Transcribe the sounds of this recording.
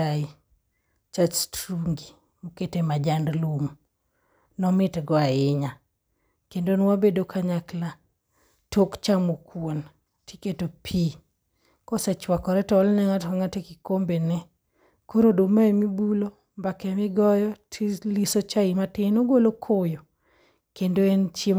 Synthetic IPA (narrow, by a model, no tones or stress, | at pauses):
ai | t͡ʃastɾuŋɡi | muketemad͡ʒandlum | nɔmɪtɡɔaɪɲa | kendonwabedokʰaɲakla | tʰokt͡ʃamokwon | tiketopʰi | kɔsɛt͡ʃwakɔɾɛtɔːlnɛŋatkaŋatekikombenɛ | koɾodomaemibulo | mbakɛmɪɡɔjɔtʰilisot͡ʃaimatɪnoɡolokʰojo | kendoent͡ʃe